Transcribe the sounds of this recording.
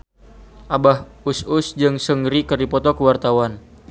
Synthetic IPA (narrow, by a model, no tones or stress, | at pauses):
ʔabahusʊsd͡ʒɨŋsəŋɾikərdipɔt̪ɔkəwart̪awan